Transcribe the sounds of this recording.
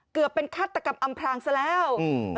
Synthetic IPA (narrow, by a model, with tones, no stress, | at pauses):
kɯ˨˩əpːe˧nkʰaː˥˩t̪ːa˧ka˧mʔa˧mpʰɾaː˧ŋsa˧lɛː˦˥w